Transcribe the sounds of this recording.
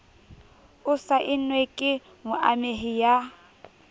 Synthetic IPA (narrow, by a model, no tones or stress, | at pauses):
ʊsaʔɪnwekʼɪ | mʊʔameɦija